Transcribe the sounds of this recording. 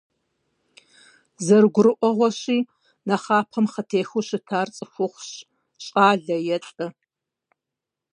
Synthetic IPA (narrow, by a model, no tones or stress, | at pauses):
zɐrɡʷʊɾɨʔʷɔʁʷɔɕiː | nɐχaːpʰɐmχətʰeːxuɕɪtʰaːrt͡sʼɨfʊχʷɕ | ɕʼaːɮɐjɛt͡sʼɨ